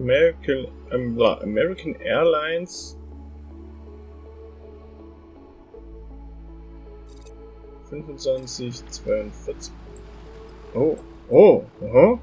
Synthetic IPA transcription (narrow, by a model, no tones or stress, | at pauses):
ɛn | la̰ʔa̰mɛʁɪkʰanʔɛːɐlaɪns | fʏnfʊnt͡sv̥ansɪçt͡sv̥aɪʊntfɪɐt͡sɪ̥ | ʔoː | ʔoːho